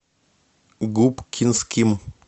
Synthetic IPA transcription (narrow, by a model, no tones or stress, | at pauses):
ɡupkʰinskʰim